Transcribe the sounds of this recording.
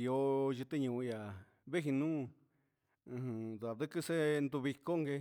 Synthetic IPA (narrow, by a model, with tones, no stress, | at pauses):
jo˧˦ʒɨ˧t̪e˦ɲũ˧˨˧ja˨ | βe˦ɦi˧nũː˦˧ | ɦɨ̃˧ða˨ðɨ˦kɨ˦se˦nd̪u˧βi˧ko˦ŋɡe˧